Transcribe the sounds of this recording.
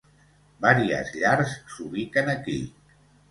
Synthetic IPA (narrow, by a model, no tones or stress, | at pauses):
baɾiə̰zʎaɾsːuβikənəkḭ